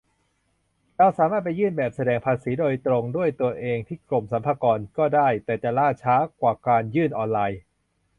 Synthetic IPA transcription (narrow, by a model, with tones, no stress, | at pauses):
ɾa˧wsaː˨˦maː˥˩t̪̚pa˧jːɯː˥˩nbɛː˨˩p̚sa˧dɛː˧ŋpʰaː˧siː˩˦doː˧jt̪ɾo˧ŋdu˥˩əjt̪u˧ɐʔeː˧ŋt̪ʰiː˥˩klo˨˩msa˩˦mpʰaː˧kɔː˧nkɔː˥˩daː˥˩jt̪ɛː˨˩t͡ɕa˨˩laː˥˩t͡ɕʰaː˦˥kwaː˨˩kaː˧njɯː˥˩nʔɔː˧nlaː˧j